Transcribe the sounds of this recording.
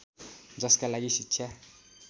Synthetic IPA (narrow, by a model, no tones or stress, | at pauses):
d͡zʌskalaɡisit͡ʃʰja